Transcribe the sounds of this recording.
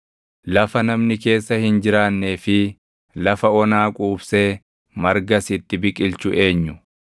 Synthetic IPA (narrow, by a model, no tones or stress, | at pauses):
lɐfɐnɐmnɪke̞ːsːɐhɪnd͡ʒɪɾaːnːeːfɪ | lɐfɐɔnaːkʼuːbseː | mɐɾɡɐsɪt̪ːɪbɪkʼɪlt͡ʃʊʔe̞ːɲːʊ